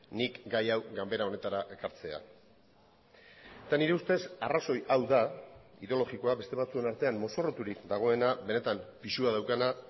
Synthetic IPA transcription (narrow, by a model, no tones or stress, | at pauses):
nikɡajawɡambe̞ɾao̞ne̞t̪aɾaʔe̞kaɾt͡se̞a̰ | et̪aniɾe̞ust̪e̞saraso̞jawðaḭðeo̞lo̞ɣiko̞abe̞st̪eβat͡sue̞naɾt̪e̞ammo̞so̞rot̪uɾikd̪aɣ̞o̞e̞naβe̞ne̞t̪ampisuaðawkana